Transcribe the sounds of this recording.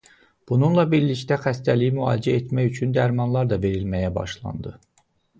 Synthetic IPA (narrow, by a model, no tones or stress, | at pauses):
b̥ununlˠɑbiɾliçt̪æxæst̪ælijimyɑ̰ːld͡ʒæet̪mæjyt͡ʃʰynd̪æɾmɑnlˠɑɾd̪ɑve̞ɾilmæjæbɑ̰ʃlˠɑ̰nd̪ɯ